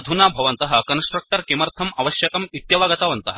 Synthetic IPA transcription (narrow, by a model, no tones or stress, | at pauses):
d̪ʱunaːbʱɐʋɐnt̪ɐɦɐ̆kɐnsʈɾɐk̚ʈɐɾkimɐɾt̪ʰɐmɐʋɐʃjɐkɐmit̪jɐʋaːɡɐt̪aːʋɐnt̪ɐɦɐ